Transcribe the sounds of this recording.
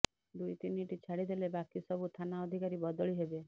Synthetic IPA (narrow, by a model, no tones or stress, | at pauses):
d̪ujt̪iniʈit͡ʃʰaɽid̪ʱelebakisɔbʱut̪ʰanaɔd̪ʱikaɾibɔd̪ɔɭiɦebe